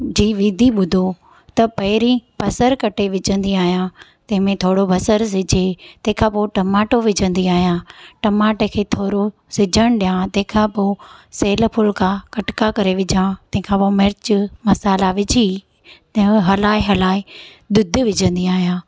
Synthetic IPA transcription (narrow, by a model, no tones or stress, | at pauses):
d͡ʑiːʋiːd̪ʱiɓʊd̪ʱo | t̪ɐpɐɦɪɾĩbɐsəɾkɐʈʰeʋɪd͡ʑʱə̃nd̪iaːɦijãt̪ɐ̃ɦɪ̃mẽt̪ʰoːɽobʱɐsəɾsɪd͡ʑʱet̪ɐ̃ɦɪ̃kʰãpoʈɐmaːʈoʋɪd͡ʑʱə̃nd̪iaːɦijãʈɐmaːʈekʰeːt̪ʰoːɾo | sɪd͡ʑʱəɽ̃ɗijãt̪ɐ̃ɦɪ̃kʰãpoːseːlpʰʊlkʰãkɐʈkakɐɾeʋɪd͡ʑʱãt̪ɐ̃ɦɪ̃kʰãpoːmɪɾɪt͡ɕmɐsaːlaʋɪd͡ʑʱi | t̪ɦɦɐlaːiɦɐlaːe | d̪ʊd̪ʱʋɪd͡ʑʱə̃nd̪iaːɦijãː